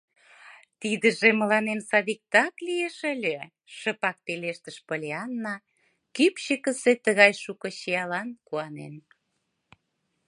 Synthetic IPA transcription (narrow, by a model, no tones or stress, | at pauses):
t̪id̪əʒemə̆lɑnensɑðik̚t̪ɑklijeʃəlʲe | ʃəpɑk̚t̪eleʃt̪əʃpəlʲeɑnːɑ | kypɕəkə̆set̪əɣɑjʃukɤ̆ɕeɑlɑnkuɑnḛn